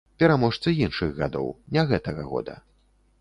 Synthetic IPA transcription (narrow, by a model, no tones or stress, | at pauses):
pʲɛɾamɔʂt̪sɨinʂɨɣɣa̰d̪ɔ̰wnʲaɣɛt̪ɐɣɐ̰ɣɔ̰d̪ɐ̰